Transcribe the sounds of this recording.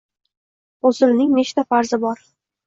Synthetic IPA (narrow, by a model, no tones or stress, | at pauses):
ozɪlnɪŋmeʃt̪afaɾzɪbɒɾ